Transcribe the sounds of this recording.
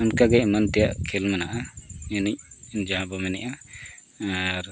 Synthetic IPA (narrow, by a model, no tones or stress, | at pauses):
unkaɡɛmant̪ijaʔkʰelmanaʔaɛnic̚nd͡ʒaɦãbamɛnɛʔa | aɾ